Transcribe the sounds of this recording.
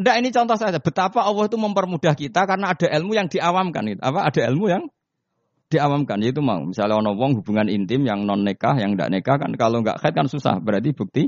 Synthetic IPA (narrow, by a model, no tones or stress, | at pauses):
ndaʔinit͡ʃɔnt̪ɔhsad͡ʒab̥ət̪apaɔwɔhit̪uməmpərmud̥a̤hkit̪akarənaːd̥a̤ʔilmujaŋd̥i̤ʔawamka̰nɡit̪uapaʔad̥a̤ilmujaŋ | d̥iawamkanjait̪̬uma̰ṵmisalaɔnɔwɔŋɦub̥uŋanint̪ɪmjaŋnɔnːeka̰hjaŋnda̰ʔnekahka̰nkaloŋɡa̰ʔxaɛt̪̚kansusa̰hb̥əɾat̪ib̥uk̚t̪i